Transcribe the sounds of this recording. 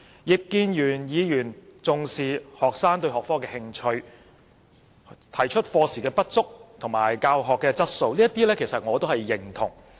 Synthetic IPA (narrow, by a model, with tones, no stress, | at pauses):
jɪ˨k̚kːiː˧njyː˨˩njiː˨˧jyː˨˩nt͡sʊ˨ŋsiː˨hɔː˨˩k̚saː˥ŋt̪ɵ˧ɥɦɔː˨k̚fɔː˥kɛː˧hɪ˧ŋt͡ʃʰɵ˧ɥ | t̪ʰɐ˨˩jt͡ʃʰɵ˥t̚fɔː˧siː˨kɛː˧pɐ˥t̚t͡sʊ˥k̚t̪ʰʊ˨˩ŋmaː˨˩jkaː˧wɦɔː˨kːɛː˧t͡sɐ˥t̚so˧wliː˥jɐ˥t̪iː˥lɛː˥kʰe˨˩jsɐ˨t̚ŋɔː˨˧t̪o˥whɐ˨jːɪ˨˩ŋt̪ʰʊ˨˩ŋ